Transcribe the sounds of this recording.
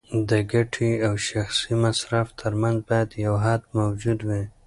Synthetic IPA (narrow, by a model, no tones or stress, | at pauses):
d̪əɡaʈʰiawʃaxsimasɾaft̪ʰəɾmanzbɑjad̪jawɦad̪mawd͡ʒud̪wi